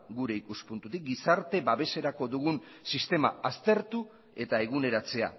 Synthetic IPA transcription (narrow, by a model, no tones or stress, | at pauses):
ɡuɾe̞ikuspunt̪ut̪ik̚ɡisaɾt̪e̞βaβe̞se̞ɾako̞ðuɣ̞un | sist̪e̞ma̰ast̪e̞ɾt̪u | e̞t̪ae̞ɣ̞une̞ɾat͡se̞a̰